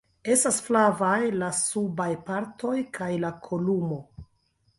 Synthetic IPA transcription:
e̞stasflavajlasubajpaɾto̞jkʰajlakʰo̞lumo̞

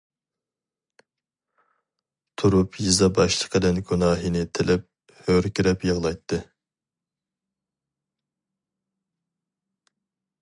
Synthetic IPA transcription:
t̪ʰuɾupʰjizɑbɑʃlˠə̥qʰəd̪ɛnɡunɑːɦinɪt̪ʰɪlɛp̚ | høɾkʲiɾɛpjəʁlˠɑjt̪ʰːɨ

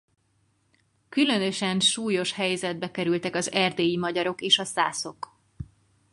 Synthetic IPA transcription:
kylø̞nø̞ʃɛnʃuːjo̞ʃhɛjzɛd̪̚bɛkɛɾylt̪ɛkɒzɛrd̪eːjimɒɟɒɾo̞keːʃɒsaːso̞k

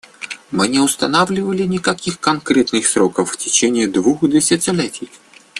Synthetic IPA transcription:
mɨnʲɪʊst̪ɐnavlʲɪvəlʲɪnʲɪkɐkʲixkɐnkɾʲɛt̪nɨxsɾokəfːtʲɪt͡ɕenʲɪːd̪vuxd̪ɨsʲɪsʲɪlʲetʲɪj

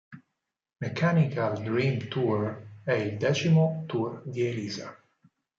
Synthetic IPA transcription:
mɛkʰanikald̪ɾĩːmt̪ʰuɹɛjd̪ɛt͡ʃimot̪ʰuɾɡeliza

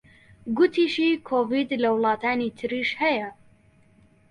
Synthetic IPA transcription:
ɡʊt̪ʰiːʃiːkʰoːviːd̪lɐwlˠɑːt̪ʰaːniːt̪ʰɨɾiːʃhɛjɛ

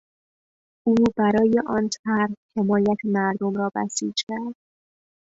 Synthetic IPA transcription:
ʔuːbæɾɒːjeʔɒːnt̪ʰæɾhhe̞mɒːjæt̪ʰemæɾd̪omɾɒːbæ̰sḭːd͡ʒcʲʰæɾd̪̥̚

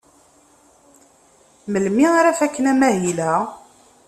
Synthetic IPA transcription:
məlmiaɾæfækːənæmæɦilæ

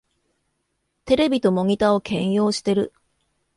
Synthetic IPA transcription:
t̪e̞ɾe̞bʲit̪o̞mo̞ŋʲit̪ao̞kʰẽ̞jo̞ːɕi̥t̪e̞ɾɯ̟̰

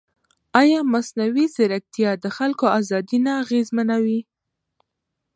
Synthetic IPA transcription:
ɑjɑmasnawizɪɾak̚t̪ijɑd̪əxalkoazɑd̪inaːɣezmanawi

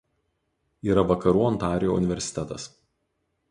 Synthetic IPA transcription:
iːɾɐʋɐkɐɾuːɔnt̪ɑːɾʲɪjoʊ̰nʲɪʋʲɛɾʲsʲɪ̥t̪ʲɛt̪ɐ̰s

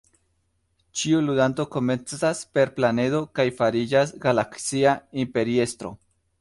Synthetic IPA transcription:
t͡ʃiulud̪anto̞ko̞me̞nt͡saspe̞ɾplane̞do̞kajfaɾid͡ʒasɡalaksiaimpe̞ɾie̞st̪ɾo̰

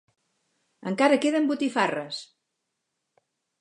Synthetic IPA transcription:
əŋkaɾəkeðəmbut̪ifarəs

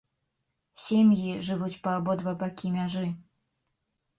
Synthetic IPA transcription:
sʲemjiʐɨvut͡sʲpɐːbɔd̪vɐbakʲimʲaʐɨ

